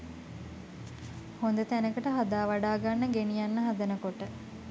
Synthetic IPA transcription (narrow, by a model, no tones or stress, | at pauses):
hond̪ət̪ænəkəʈəɦad̪aːʋaɖaːɡanːəɡenijanːəɦad̪ənəkoʈə